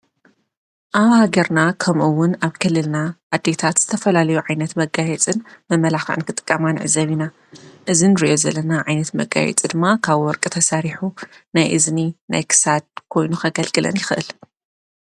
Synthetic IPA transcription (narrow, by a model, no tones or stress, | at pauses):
ʔaβhaɡɐɾnakʰɐmʔuwʊnaβkʰɨlːɨlnaʔad̪ːe̞t̪ʰat̪z̥ɨt̪ʰɐfɐlalɐjuʕajnɐt̪mɐɡajɛt͡sʼɨnmɐmːɐlaxʔɨ̰nkʰɨt̪ʼɨ̥kʼːɐmanʕɨ̰zɐβina | ʔɨzinɨɾiʔo̞zɐlːɐnaʕajnɐt̪mɐɡa̰jɛ̰t͡sʼid̪ɨmːakʰaβwɔɾkʼɨt̪ʰɐsaɾiħunajʔɨznina̰jkʰɨ̥sad̪̚kʰo̞jnuxɐɡɐlɡʼɨlɐ̰njɪxʔɨ̰l